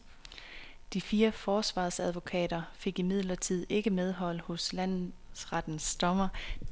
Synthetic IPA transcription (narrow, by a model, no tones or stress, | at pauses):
d̥ifiːɐfɒːsʋɑ̰̈ːsæð̞ˠʋo̝kʰɛ̰ːɾ̥ɐfe̝ɡ̥imið̞̰ˠlɐt͡sʰið̰ˠe̝ɡ̥əmeð̞ˠɦɒ̽l̰hɔ̽slæn̰sʁad̥n̩sd̥ɒ̽mɐ